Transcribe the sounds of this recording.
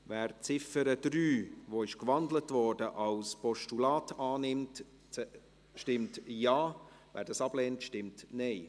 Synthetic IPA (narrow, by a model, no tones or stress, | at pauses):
vɛːɾt͡sɪfəɾəd̥ɾyːvoɪʃkvɑndlətvɔrdəʔɑlspʰɔʃtulɑːtɑːnɪmt | ʃtɪmtjɑː | væ̰ːɾdɑsɑbleːntʃtɪmtnɛɪ